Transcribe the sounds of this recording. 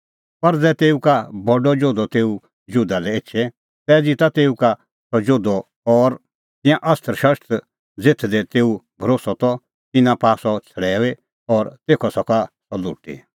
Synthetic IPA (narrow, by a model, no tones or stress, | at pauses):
pɐɾd͡zɛːt̪eːukabɔɖɔd͡ʒoːd̪ɔt̪eːu | d͡ʒʊd̪alɛeːt͡ʃʰɛ | t̪ɛːd͡zit̪at̪eːuka | sɔd͡ʒoːd̪ɔ | ɔːɾ | t̪ɪ̃jãʔɐst̪ʰəɾʃɐst̪ | d͡zet̪ʰd̪ɛt̪eːubʱəɾoːsɔt̪ɔ | t̪ɪnãpaːsɔt͡sʰɐɽɛːe | ɔːɾt̪eːkʰɔsɔkasɔlʊ̰ːʈḭ